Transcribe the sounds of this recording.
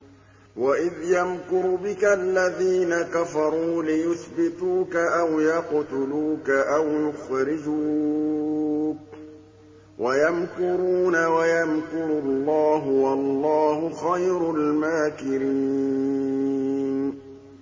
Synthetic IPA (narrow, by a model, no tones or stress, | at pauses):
waʔɪðjamkʊɾbɪkalːaðiːnakafɑɾˤuːlɪjʊθbɪt̪uːkaʔawjɑqt̪ʊluːkaʔawjʊxɾɪd͡ʒuː | k | wʔajamkʊɾuːnawajamkʊɾʊlˤːɑːɦʊwɑlˤːɑːhʊxajɾʊlmaːkɪɾiː | n